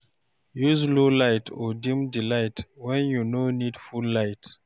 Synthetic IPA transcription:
juzlolaɪtʰɔdĩmdilaɪtwɛ̃njunonidfulːaɪt

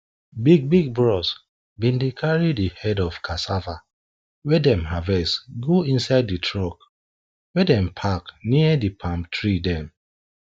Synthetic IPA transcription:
biɡ̚biɡ̚bɹɔs | bĩndekʰaɹidihɛdɔvkʰasava | wɛdɛ̃mɦavɛsɡoĩnsaɪditʰɹɔk | wɛdɛ̃mpʰakniədipʰãmtʰɹidɛ̃m

